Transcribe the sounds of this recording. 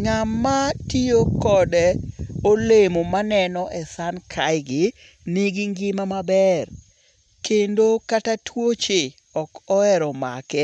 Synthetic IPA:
ŋamːatiokɔdɛolemomanɛnɔʔɛsankʰajɡɪ | nɪɡɪŋɡɪmamabɛr | kendokatatwot͡ʃe | ɔkɔɛɾɔma̰kɛ

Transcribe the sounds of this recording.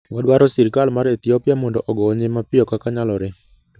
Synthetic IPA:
wɔdwaɾɔsiɾkalmaɾet̪iɔpɪjamɔndɔʔɔɡɔːɲemapɪɔkakaɲalɔɾe

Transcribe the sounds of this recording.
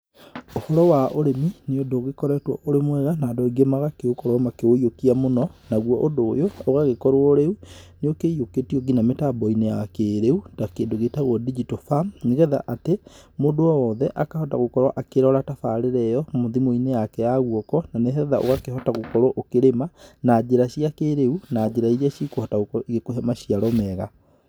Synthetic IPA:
ohɔɾɔwaʔoɾemineodoɣekɔɾɛtwɔʔoɾemwɛɣanadɔiɡemaɣakeokɔɾwɔmakeoiokiamonɔnaɣwɔʔodoːjoːɣaɣekɔɾwoɾeuneokeijoketiɔɡinametabɔinejakeɾeutakeːndoɣetaɣwɔdid͡ʒitofamneɣɛða̰ʔatemondoɔwɔðɛʔakahɔtaɣokɔɾwaʔakeɾɔɾatafaɾeɾɛjɔmoðimoinejakɛjaɣwɔkɔnaneɦɛɛðaʔo̰ɣakeɦɔtaɣokɔɾwɔʔokeɾemanad͡ʒeɾaɕiakeːɾeunaɟeɾaiɾaɕikohɔtaɣoiɣekoɦɛmaɕiaɾɔmɛɣa

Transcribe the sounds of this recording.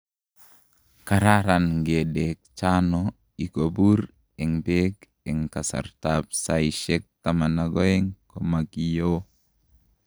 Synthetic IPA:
kaɾaɾanɡedɛk̚t͡ʃanɔ | ikobur | ɛŋbɛk | ɛŋkasa̰rt̪ap̚saiʃɛk̚t̪amanaɡɔɛŋkomakijo

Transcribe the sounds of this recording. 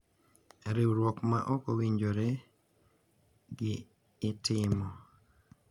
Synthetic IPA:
ɾɪwɾwɔkma̰ʔɔkowiɲd͡ʒoɾe | ɡɪː | tɪmɔ

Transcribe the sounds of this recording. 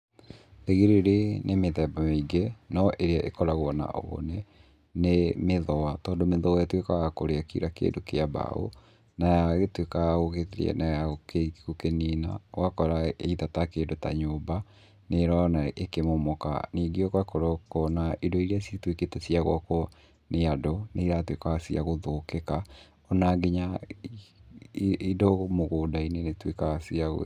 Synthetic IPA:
eɣeɾeɾenʔemeðɛbameiɡenɔʔeɾeaʔekɔɾaɣwɔna̰o̰ːnɛ | nemeðɔwatɔːndomeðɔaatwekaɣakoɾeakḭɾakḛːndokeaba̰o̰ | najaɣetwekaaɣoɣeɾ̰ɛ̰najaokekokenina̰wakɔɾaeiðatakeːndota̰ɲoːba | neɾanaekemomɔka̰niːɡiɔkwakɔɾɔkɔnaʔidɔiɾiasitweketɛsiaɣwakɔ | neadɔneiɾatwekaasiaɣoðokeka | ɔnaɡeɲa | idɔmoɣoːdainenetwekaasiaɣo̰

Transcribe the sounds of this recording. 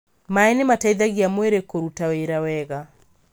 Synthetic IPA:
maɛnemataiðaɣiamweɾekoɾutaweɾawɛɣa

